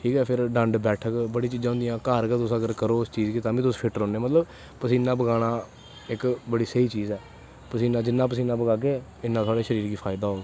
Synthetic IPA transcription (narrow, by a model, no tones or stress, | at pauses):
ʈʰiːkɛːpʰɪɾɖə̃ɳɖbɛːʈʰəkbəɽiːt͡ʃiːd͡ʒãːɦʊ̃ːnd̪ijãːkəɾkət̪ʊsəɡəɾkəɾoːʊst͡ʃiːd͡ʒkiːt̪ãːbĩːt̪ʊspʰɪʈɾɔ̃ːnẽːmət̪ləb | pəsiːnãːbəɡaːɽãː | ɪkbəɽiːsəiːt͡ʃiːzɛː | pəsiːnãːd͡ʒɪnːãːpəsiːnãːbəɡaːk̬eːɪnːãːsaːɽeːʃəɾiːɾɡiːpʰaːɪd̪aːɦoːɡ